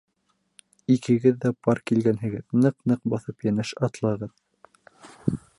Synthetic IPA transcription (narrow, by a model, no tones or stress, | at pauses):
ikʰɘ̆ɡɘðːæpɑɾkilɡænɦɘ̆ɡɘðnɤqnɤqbɑθɤpjænæʃɑt̪lˠɑʁɤð